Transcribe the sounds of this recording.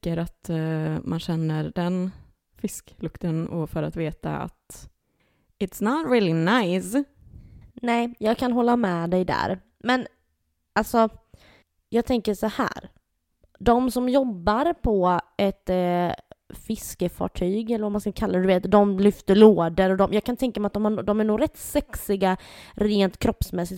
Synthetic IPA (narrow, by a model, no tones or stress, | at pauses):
əɾat̪mʔanɕɛnːəɾd̪ɛn | fɪsklɵkt̪ənɔfœɾat̪veːt̪a̰a̰t̪ | ɪt̪snɑt̪ɾiːlɪnaɪs | nɛːjɑːɡkʰanɦɔlːamɛːd̪ɛjd̪æ̰ɾ | mɛn | ʔalsɔ | jɑːɡ̚t̪ʰɛŋkəʂɔhæ̰ːɾ | d̪ɔmsɔmjɔbːaɾpʰɔɛt̪ | fɪskəfɑ̰ːʈʰyːɡɛlːəɾvamanskakʰalːad̪ɛd̪ɵveːt̪d̪ɔmlʏft̪əɭoːd̪əɾɔd̪ɔmjɑːɡkʰanɪt̪ʰɛŋkamɛat̪̚d̪ɔmhad̪ɔmæɳuːɾɛt̪ːsɛksɪɡaɾeːnt̪kʰɾɔpsmɛsːɪt̪